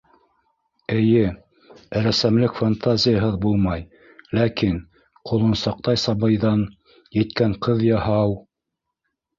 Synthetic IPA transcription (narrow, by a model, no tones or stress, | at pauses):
ɘ̆jɘ | ɾæsæmlɘkfant̪azʲɪjaɦɤðbulˠmɑj | lækin | qŏlˠŏnsɑq̚t̪ɑjsɑβɤ̆jðɑn | jɘ̆t̪kæɴqɤðjɑhɑw